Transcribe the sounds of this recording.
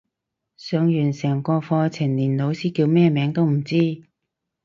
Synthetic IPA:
sœː˨˧ŋjyː˨˩nsɛː˨˩ŋkɔː˧fɔː˧t͡sʰɪ˨˩ŋliː˨˩nlo˨˧wsiː˥kiː˧wmɛː˥˧mɛː˨˧˥ŋt̪o˥wm̩˨˩t͡siː˥

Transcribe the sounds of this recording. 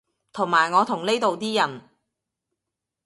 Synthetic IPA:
t̪ʰʊ˨˩ŋmaː˨˩jŋɔː˨˧t̪ʰʊ˨˩ŋne˥jt̪o˨wt̪iː˥jɐ˨˩n

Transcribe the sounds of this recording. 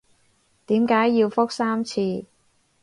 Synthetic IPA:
t̪iː˨˥mkaː˨˥jːiː˧wfʊ˥k̚saː˥mt͡sʰiː˧

